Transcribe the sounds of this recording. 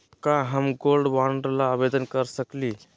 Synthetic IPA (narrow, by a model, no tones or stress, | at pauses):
kaɦəmɡolɖʋaɳɖəɾlaːbed̪ənkəɾsəkli